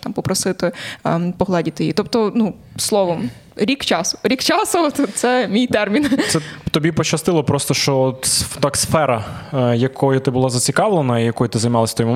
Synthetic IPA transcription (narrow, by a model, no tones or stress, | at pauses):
t̪ɑmpɔpɾɔsɪt̪ɪpɔɦlˠɑdʲit̪ɪjḭt̪ɔpt̪ɔnu | slˠɔʋɔm | ɾʲikt͡ʃɑsʊ̥ɾʲikt͡ʃɑsʊt̪t̪sɛmʲijt̪ɛrmʲint̪sɛt̪ɔbʲipɔt͡ʃɐst̪ɪlˠɔpɾɔst̪ɔʃt͡ʃɔɔt̪t̪ɑksfɛɾɐjɐkʰɔjʊt̪ɪbʊlˠɑzɐt͡sʲikɑʋlˠenɐijɐkɔjʊt̪ɪzɐjmɑlˠɐsʲt̪ɔim